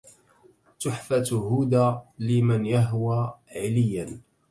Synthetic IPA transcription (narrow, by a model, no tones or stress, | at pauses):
t̪ʊħfat̪ɦuːd̪alɪmanjaɦwaːʕɪlɪjːan